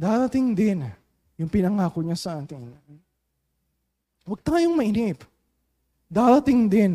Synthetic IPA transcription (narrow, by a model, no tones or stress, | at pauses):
d̪aːɾɐt̪ɪŋd̪ɪn | jʊŋpɪnɐŋaːko̞ɲasɐʔaːt̪ɪn | wɐɡ̚t̪aːjoŋmɐʔɪnip | d̪aːɾɐt̪ɪŋd̪ɪn